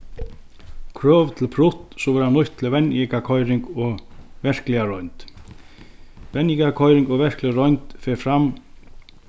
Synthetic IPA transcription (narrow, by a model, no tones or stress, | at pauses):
kʰɾœːvt̪ʰɪlpʰɾʊht̪sɔvɛɾanːʊjht̪ːʰɪlvɛnikakʰɔjɾɪŋkɔɣvɛr̥klɛaɾɔjnt̪ | vɛnikakʰɔjɾɪŋkɔɣvɛr̥klɛɾɔɥnt̪fɛɾfɾam